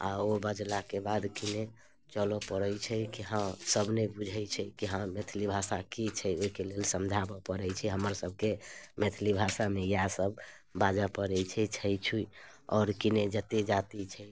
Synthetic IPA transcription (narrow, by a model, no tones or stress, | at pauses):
a̰obəd͡ʒlakebad̪kine | t͡ʃəlɔpəɾəjt͡ʃʰɛkiɦãsəbʱnebud͡ʒʱəjt͡ʃʰɛkiɦãmet̪ʰlibʱasakit͡ʃʰɛoikelelsəmd͡ʒʱabɔpəɾɛjt͡ʃʰɛɦəməɾsəb̚ʱkemet̪ʰlibʱasamejasəb | bad͡ʒapəɾɛjt͡ʃʰɛt͡ʃʰəjt͡ʃʰui | ɔːɾkined͡ʒət̪ed͡ʒat̪it͡ʃʰɛ